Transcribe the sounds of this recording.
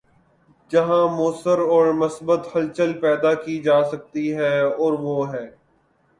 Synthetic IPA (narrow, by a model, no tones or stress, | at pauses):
d͡ʒɐɦãːmoːsəɾɔːɾmɐsbət̪hɐlt͡ʃəlpɛːd̪akid͡ʒaːsɐk̚t̪iɦɛːɔːɾʋoːɦɛː